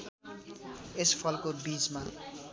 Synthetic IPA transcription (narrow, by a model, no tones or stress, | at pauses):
espʰʌlkobid͡zma